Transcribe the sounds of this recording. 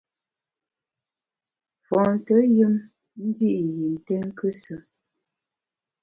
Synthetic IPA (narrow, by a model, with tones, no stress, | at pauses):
fɔ̃˨n˨tə˨˦jə˦m | n̩˦di˦ʔji˨n̩˨tɛ˦ŋ˦kə˦sə˨